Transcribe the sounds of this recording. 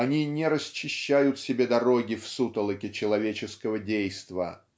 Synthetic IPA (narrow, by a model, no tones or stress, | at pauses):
ɐnʲinʲɪɾəst͡ɕːɪɕːæjʊt̪sʲɪbʲe̞d̪ɐɾo̞ɡʲɪfsut̪əlˠəkʲɪt͡ɕɪlˠɐvʲet͡ɕɪskəvədʲejst̪və̰